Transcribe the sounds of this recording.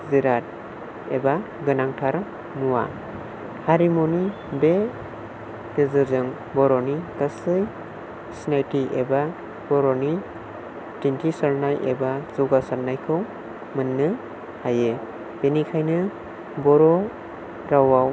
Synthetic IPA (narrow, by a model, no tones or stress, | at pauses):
ziɾat̚ | eba | ɡɯnaŋtʰaɾ | muwa̰ | haɾimoni | be | dezɯɾzɯŋ | bɔɾɔnikasɯj | snajtiʔeba | b̥ɔɾɔni | tintʰisaɾnajʔḛbazuɡasaɾnajkʰɯw | mɯnːɯ | haje | benikʰajnɯ | bɔɾɔ | ɾawaw